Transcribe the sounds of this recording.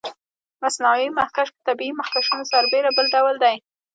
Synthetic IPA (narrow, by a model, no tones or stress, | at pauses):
masnawimahkaʃpət̪abiimahkaʃunosaɾbeɾabəlɖawld̪aj